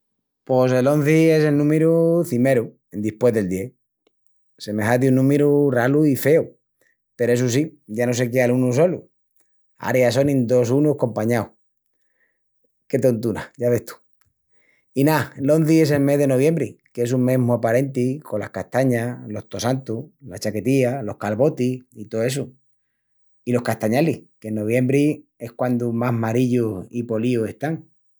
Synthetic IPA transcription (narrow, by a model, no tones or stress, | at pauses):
pose̞lo̞n̟θie̞selnũmeɾuθime̞ɾu | end̪ihpwe̞ðe̞ld̪je | se̞me̞ɦad̪junːũmeɾuraluife̞u | peɾoe̞s̬us̬iɟ͡ʝano̞se̞k̬ealunuso̞lṵ | a̰ɾjaso̞nĩnd̪o̞sunuhko̞mpaɲaw | ke̞t̪o̞nt̪una̰ʝaβe̞ht̪u̥ | inalo̞nθie̞s̬e̞lme̞ɦðe̞no̞βje̞mbɾike̞suŋmẽ̞ɦmuapaɾe̞nt̪iko̞la̰hkaht̪aɲalo̞ht̪o̞sant̪ulat͡ʃake̞t̪ialo̞hkalβo̞t̪iit̪oe̞s̬u | ilo̞hkaht̪aɲalihkenːo̞β̞je̞mbɾie̞hkwand̪umaɦmaɾiʎuipo̞liue̞st̪aŋ